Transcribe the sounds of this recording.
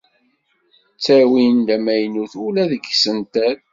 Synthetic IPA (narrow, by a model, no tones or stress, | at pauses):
t͡sːæwind̪æmæjnuθulæðəɡsənt̪æð